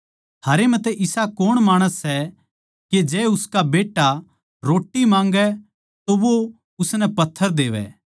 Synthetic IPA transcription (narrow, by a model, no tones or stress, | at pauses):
t̪ʰaːɾemɛ̃t̪ɛʔɪsakoːɽ̃maːɽ̃əsːɛ | ked͡ʒɛːʊskabeːʈːa | ɾoːʈːimãːŋɡɛ | t̪oʋo | ʊsnɛpɐt̪ʰːəɾd̪eːʋɛ̰ː